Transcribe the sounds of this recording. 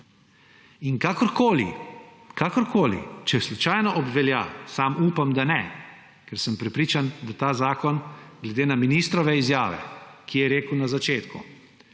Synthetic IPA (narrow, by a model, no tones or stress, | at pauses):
iŋkakɔɾkoːlḭ | kʰaːkɔɾkoːlḭt͡ʃɛslut͡ʃajnɔʔɔbʋɛlja̰saːmuːpamd̪anɛ | kɛɾsəmpɾɛpɾiːt͡ʃand̪at̪aːzaːkɔnɡ̥lɛd̪eːnaminist̪ɾɔʋɛizjaːʋɛ̰kʰijɛɾeːkwnazat͡ʃeːt̪kṵ